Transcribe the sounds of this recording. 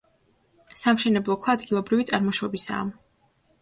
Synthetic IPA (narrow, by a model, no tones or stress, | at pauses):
samʃɛnɛblˠɔkʰɔad̪ɡilˠɔbɾivit̪sʼaɾmɔʃɔbisa̰ːm